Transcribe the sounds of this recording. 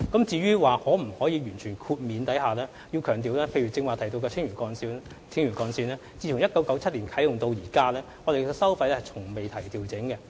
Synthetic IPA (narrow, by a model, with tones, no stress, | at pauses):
kɐ˨˥mt͡siː˧ɥyː˥waː˨˩hɔː˨˥m̩˨˩hɔː˨˥jiː˨˧ɥyː˨˩nt͡ʃʰyː˨˩nkʰuː˧t̚miː˨˧nt̪ɐ˨˥jhaː˨˩lɛː˥ | ji˧wkʰœː˨˩ŋt̪̬iː˨wlɛː˥pʰe˧jɥyː˨˩t͡sɪ˧ŋwaː˨˩t̪ʰjt̪o˧wkɛː˧t͡sʰɪ˥ŋjyː˨˩kɔː˧nsiː˧ | t͡sʰɪ˥ŋɥyː˨˩nkɔː˧nsiː˧nlɛː˥t͡siː˧t͡sʰʊ˨˩ŋjɐ˥t̚kɐ˨˥wkɐ˨˥wt͡sʰɐ˥t̚liː˨˩nkʰɐ˨˥jʊ˨ŋt̪o˧wjiː˨˩kaː˥lɛː˥ŋɔ˨˧te˨jɔː˧sɐ˥wfɐ˧jlɛ˥hɐ˨jt͡sʰʊ˨˩ŋme˨jt̪ʰɐ˨˩jt̪iː˨wt͡sɪ˨˥ŋkɛ˧